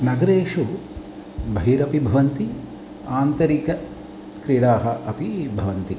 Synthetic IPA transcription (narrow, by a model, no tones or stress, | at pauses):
nɐɡɐɾeːʂu | bɐɦiɾɐpibʱɐʋɐnt̪i | aːnt̪ɐɾikɐ | kɾiːɽaːɦɐʔɐpibʱɐʋɐnt̪i